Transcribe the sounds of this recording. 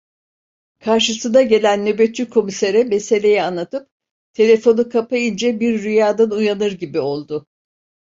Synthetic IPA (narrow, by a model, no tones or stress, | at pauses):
kʰaɾʃɯsɯnaɟe̞lʲænːø̞bet̪̚t͡ʃykʰo̞miseɾɛme̞se̞lʲe̞jɛanlːˠat̪ɯp̚ | t̪ʰe̞lʲe̞fo̞nukʰapaind͡ʒɛbiɾːyjaːd̪anujanɯɾɟibio̞lˠd̪ʊ